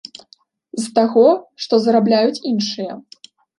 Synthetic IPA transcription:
zt̪aɣɔʂt̪ɔzɾablʲajut͡sʲinʂɨjɐ

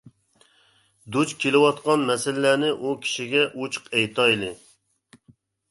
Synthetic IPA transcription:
d̪ut͡ʃkʲʰelɪwɑt̪̚qɑnmɛsɪlːænɪʔukʲʰi̥ʃiɡʲɛʔut͡ʃʰqɛjt̪ʰɑjilˠɨ

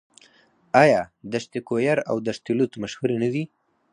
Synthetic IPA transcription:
ajad̪aʃt̪ɪkojaɾa̰wd̪aʃt̪ilut̪maʃhuɾenad̪i

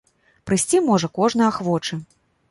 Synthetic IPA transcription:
pɾɨsʲt͡sʲimɔʐɐkɔʐnɐjaxvɔt͡ʂɨ

